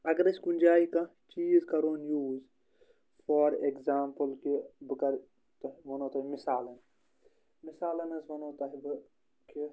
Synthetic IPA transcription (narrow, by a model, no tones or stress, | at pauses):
ɐɡɾɐsʲkunʲd͡ʒaːikɐ̃ | t͡ʃiːzkɐɾoːnjuːz | foːɾekzaːmpəlkibɨkɐɾ | t̪ɐʋonoːt̪ɐmisaːlɐn | misaːlɐnɐzʋɐnoːt̪ɐɦib | ki